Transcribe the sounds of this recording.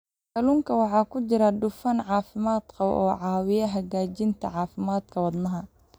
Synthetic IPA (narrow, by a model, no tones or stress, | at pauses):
kɐluŋkʰɐwɑħɑːkʰʊt͡ʃɪɾɐɖʊfɐnʕɑːfɪmaːd̪̥kʰɐʔɔ̰ːʕɑːwɪjɐɦɐɡaːt͡ʃɪnt̪ʰɐ̰ʕɑːfɪmaːd̪̥kʰɐwɑd̪nɐɦɐ